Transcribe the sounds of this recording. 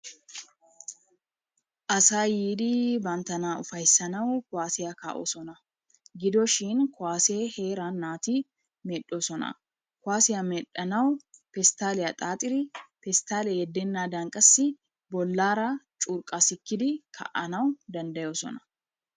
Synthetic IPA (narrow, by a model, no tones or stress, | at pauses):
ʔɐsaːjiːd̪ibɐnt̪ɐnaːʊfɐjsːɐnɐwkʊwaːsɪjɐka̰ːʔɔ̰sɔnɐ | ɡɪd̪ɔʃiːnkʊwaːseːheːɾaːnːaːt̪iː | mɛɗːosɔnɐ̰ | kʊaːsɪjɐmɛᶑɐnɐwpɛst̪aːlɛjɐt̪ʼaːt̪ʼɪɾɪpɛst̪aːlɛjɛd̪ːenːaːd̪ɐŋkʼɐsːɪ | bɔlːaːɾat͡ʃʼʊːɾkʼasɪkːɪd̪ɪkʰɐ̰ʔɐnɐwd̪ɐnd̪ɐjosɔ̰nɐ̥